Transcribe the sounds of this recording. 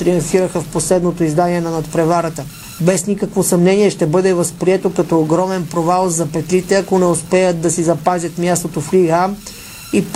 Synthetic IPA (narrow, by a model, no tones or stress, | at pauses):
t̪ɾionsiɾəxəfposlɛd̪not̪oizd̪aniɛnɐnɐt̪pɾɛvaɾət̪ə | bɛsnikəkvosɐmnɛniɛʃt̪ɛbɤd̪ɛvɐspɾiɛt̪okɐt̪ɔːɡɾɔmɛnpɾovalˠzɐpɛt̪lit̪ɛɐkonɛospɛjət̪̚d̪ɐsizɐpazʲɐt̪mʲjast̪ot̪ofliɡam | ip